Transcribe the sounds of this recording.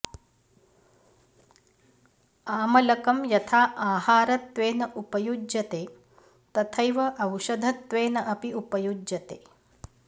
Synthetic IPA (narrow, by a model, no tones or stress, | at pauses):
aːmɐlɐkɐmjɐt̪ʰaːʔaːhaːɾɐt̪ʋeːnɐʔupɐjud͡ʒjɐt̪eː | t̪ɐt̪ʰɐjʋɐʔɐwʃɐd̪ʱɐt̪ʋeːnɐʔɐpiupɐjud͡ʒjɐt̪eː